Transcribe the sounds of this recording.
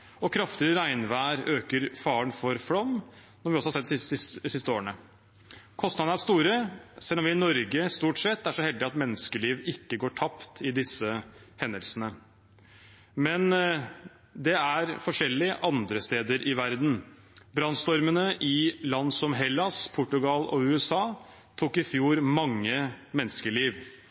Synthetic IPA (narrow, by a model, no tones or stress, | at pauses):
ɔkʰɾɑft̪ɪɾəɾæɪnʋæːɾøːkəɾfɑːɳfɔɾflɔmːnɔɾʋɪɔsɔhɑsɛt̪ːsɪst̪əoːɳə | kʰɔst̪ɑd̪n̩æʂst̪uːɾəsɛlːɔmʋɪɪnɔɾɡəst̪uːʈsɛt̪ːæʂɔhɛld̪ɪɑt̪mɛnːəskəliːʋɪkːəɡoːʈʰɑpt̪ʰɪd̪ɪsːəhɛnd̪əlsənə | mɛn | d̪ɛæɾfɔʂɛlːɪʔɑnd̪ɾəst̪eːd̪əɾʔɪʋæɾd̪n̩ | bɾɑnst̪ɔɾmənəʔɪlɑnd̪sɔmɦɛlːɑspʰʊʈːʉɡɑlɔʉːɛsɑː | t̪ʰuːkɪfjuːɾmɑŋːəmɛnːə̥skəɭiːʋ